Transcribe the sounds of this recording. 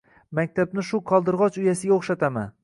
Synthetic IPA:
mak̚ʲt̪ʰabnɪʃʊqʰɒlˠd̪ɪɾʁɒt͡ʃʊjasɪɡʲaoχʃat̪ʰama̰n

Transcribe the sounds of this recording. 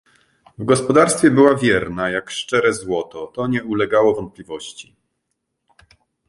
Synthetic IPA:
vɡɔspɔd̪aɾst̪fʲjɛbɘwavʲjɛɾnajakʂt͡ʂɛɾɛzwɔt̪ɔt̪ɔɲɛulɛɡawɔvɔnt̪̚plʲivɔɕt͡ɕi

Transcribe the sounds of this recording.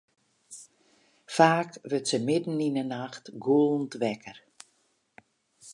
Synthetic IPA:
faːkʋətsəmɪdn̩inənaxtɡuəlˠn̩tʋɛkər

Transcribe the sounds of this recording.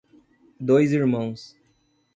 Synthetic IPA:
d̪ojziɾmɐ̃w̃s

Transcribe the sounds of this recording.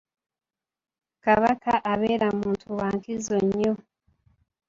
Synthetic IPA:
kaβakaʔaβe̞ːɾamuːntʰuwaːŋkizoɲːo

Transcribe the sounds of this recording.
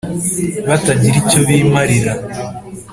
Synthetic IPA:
βataɲiɾicoβiːmaɾiɾa

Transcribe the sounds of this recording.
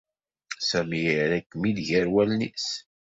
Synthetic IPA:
sæmiiɾækːmilʝæɾwælnḭs

